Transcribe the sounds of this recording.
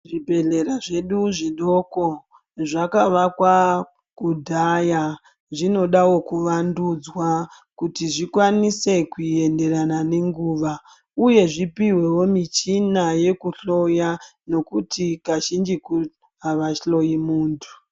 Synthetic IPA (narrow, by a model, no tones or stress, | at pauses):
ʐibʱe̞ɮe̞ɾaʐe̞ɗuʐiɗo̞ko | ʐakaʋakwa | kudʱaja | ʐino̞ɗawo̞kuʋandud͡zwa | kutiʐikwanise̞kuie̞nde̞ranane̞ŋɡuːʋa | uje̞ʐipiwe̞wo̞mit͡ʃinaje̞kuɬo̞jano̞kutikaʃind͡ʒiku | ɦaʋaʃɬo̞jimuːntʰu̥